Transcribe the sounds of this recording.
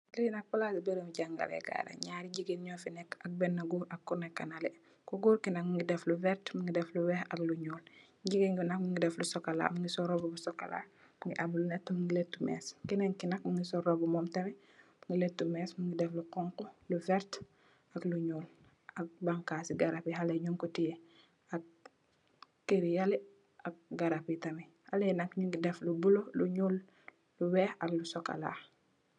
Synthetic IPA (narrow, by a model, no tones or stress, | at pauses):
liinɐk̚pulasibeɾumiɟaŋɡa̰ɾɛ̰ɡa̰ɾa̰ɲaːɾiɟiɡenɲɔːfinɛkɐk̚bɛnːaɡuːɾɐkːunɛkːanale | kuɡuːɾkinɐkŋɡidɛfluvɛɾtmuŋɡidɛfluwɛhɐkluɲuːl | ɟiɡenɡinakmiŋɡidɛflusɔkala̰ːmuŋɡisɔɾobubusɔkala̰ | muŋɡiʔabulunɛtːumiŋɡiletːumɛ̰ːskinɛŋkinɐk̚miŋɡisɔɾobumɔmtɐmɛ | ŋɡiletːumɛːsmuŋɡidɛfluqɔŋkuluvɛɾt | akluɲuːl | ak̚baŋkasiɡaɾapiɦaleɲuŋkotije | ak̚ | keɾijali | ʔak̚ɡaɾapitɐmi | halejnakɲuŋɡidɛflubuloluɲuːl | luwɛːaklusɔka̰la̰ː